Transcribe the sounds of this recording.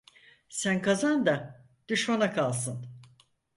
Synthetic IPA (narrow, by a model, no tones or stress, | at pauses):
sænkʰazand̪a | d̪̥yʃmanakʰalˠsɯn